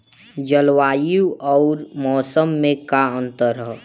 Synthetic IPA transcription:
d͡ʒəlwaːjuɔːɾmɔːsəmːẽkaə̃nt̪əɾɦɛ

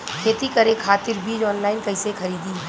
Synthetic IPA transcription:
kʰeːt̪ikɐɾẽkʰaːt̪ɪɾbʱiːd͡ʒɔːnlaːɪnkɐɦɪsexʰɐɾiːd̪ĩ

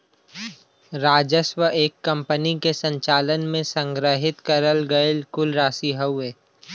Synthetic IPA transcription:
ɾaːd͡ʒəswəʔeːkːɐ̃mpənikesə̃ɲt͡ʃaːlənmẽsə̃ŋɡɾəɦɪt̪kɐɾəlɡɐelkʊlɾaːsiɦəweː

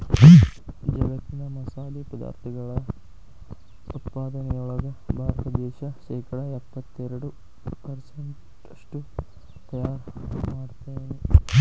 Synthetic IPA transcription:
d͡ʒɐɡɐt̪ːind̪ɐmɐsaːd̪ipɐd̪a̰ːɾt̪ʰɐɡɐɭɐ | ut̪paːd̪ɐnejuɭɐɡɐbʱaːɾt̪ɐd̪eːʃɐʃeːkɐɽɐepːɐt̪ːeɾuɽu | pɐɾsɐɳʈ | ʂʈu | t̪ɐjaːɾmaːɽt̪ɐjni

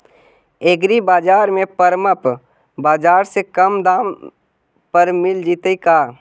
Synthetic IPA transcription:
eːɡɾibaːd͡ʒaːɾmẽpəɾməp | baːd͡ʒaːɾsekəmd̪aːm | pəɾmɪld͡ʒiːt̪eikaː

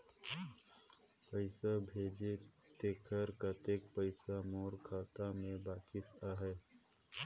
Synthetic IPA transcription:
pəɪsabʱeːd͡ʒet̪ekʰəɾkat̪eːkpəɪsamoːɾkʰaːt̪amẽbaːt͡ʃɪsaːɦɛː

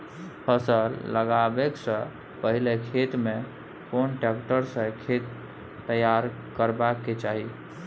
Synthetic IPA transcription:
pʰəsəlːəɡabeksə̃ | pəɦilekʰet̪me | konʈekʈəɾsə̃kʰet̪ː | əjaɾ | kəɾbakːet͡ʃaɦi

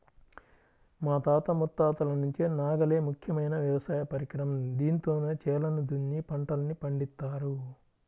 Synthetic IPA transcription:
maːt̪aːt̪ɐmut̪ːaːt̪ɐlɐnuɲt͡ʃinaːɡɐleːmukʰjɐmɐjnɐʋjɐʋɐsaːjɐpɐɾikɾɐmɐd̪iːnt̪o̞ːneːt͡ʃɛːlɐnud̪unːipɐɳʈɐlɐnːipɐɳɖist̪ːaːɾu

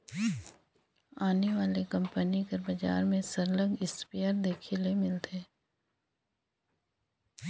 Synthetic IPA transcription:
aːneʋaːlekɐ̃mpənikəɾbɐd͡ʒa̰ːɾmẽsɐɾlə̃ŋɡɪspejəɾd̪eːkʰelemɪlt̪ʰe

